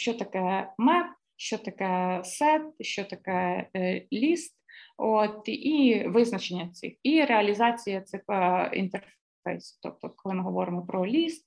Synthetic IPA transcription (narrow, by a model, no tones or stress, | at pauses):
ʃt͡ʃot̪ɐkɛjɛmɛp̚ | ʃt͡ʃot̪ɐkɛjɛsɛt̪̚ʃt͡ʃot̪ɐkɛjɛlʲist̪ot̪iʋɪznɐt͡ʃenʲːɐt̪sɪ̰xiɾeɐlʲizɑt͡sʲijɐt̪sɪxɐḭnt̪ɛrf | fɛ̰jst̪ɔ̰p̚t̪ɔkɔlˠɪmɪɦɔʋɔɾɪmɔpɾɔlʲist̪